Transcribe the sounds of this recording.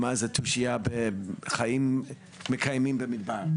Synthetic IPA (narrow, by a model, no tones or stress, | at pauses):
mazɛtʰuʃiabeχajimː | ekʰajmĩmbɛmidbaʁ